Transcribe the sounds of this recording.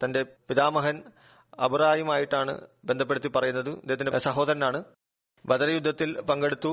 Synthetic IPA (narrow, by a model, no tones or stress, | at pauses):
t̪ɐnde̞piðaːmɐɦɐn | ɐbʱɐraːjɐmaːjiʈːaːɳɨ̰bend̪ʱɐp̬ːeɽut̪ːipɐrɐjunːɐðɨd̪eːɐt̪ːindesɐɦo̞ːd̪ɐɾɐnaːɳɨ | bɐðɐɾɐjud̪ʱːɐt̪ːilpɐŋɡe̞ɽut̪ːu